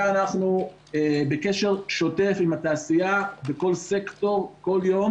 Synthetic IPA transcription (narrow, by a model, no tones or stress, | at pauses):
anaχnu | ebeke̞ʃe̞ʁʃo̞te̞fimataːsijabeko̞lse̞kto̞ʁko̞ljo̞m